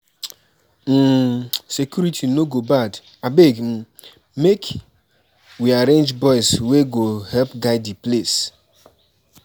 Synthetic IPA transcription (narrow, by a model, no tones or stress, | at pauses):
m̩sekjuɾitʰinoɡobad | abem̩ | mek | wiaɾẽnd͡ʒbɔɪsweɡohɛlpɡaɪdiples